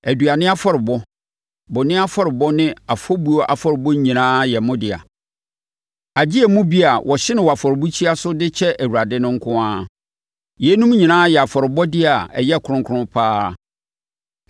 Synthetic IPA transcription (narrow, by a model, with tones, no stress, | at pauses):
æ˨du˨a˨nɪ̃˦a˦fɔ˦ɾɪ˨bɔ˦ | bʊ˨nɪ̃˦a˦fɔ˦ɾɪ˨bɔ˦nɪ̃˦a˨fɔ˦bu˦ɔ˦ʔa̰˨fɔ˦ɾɪ˨bɔ˦ɲĩ˨nãː˦jɛ˨mʊ̃˦dɪ˨a̰˨ | a˨d͡ʑi˦ɛ˨mʊ̃˦bi˦a˨wʔɔ˨ɕɪ˦nɪ̃˦wɔ˨a˨fɔ˨ɾɪ˨bu˦t͡ɕʰi˦a˦sʊ˦dɪ˦t͡ɕʰɛ˦ʔæ˨wu˨ɾa˨dɪ˦nʊ̃˦ŋ̩˦kʰʊ̃˦ãː˦ | jɛ˨˦nũ˦m˦ɲĩ˨nãː˦jɛ˨a˨fɔ˨ɾɪ˨bɔ˦dɪ˦a˨ɛ˨jɛ˦˨kʰʊ˨ɾʊ̃˦ŋkʰʊ˦ɾʊ̃˦pʰaː˦˨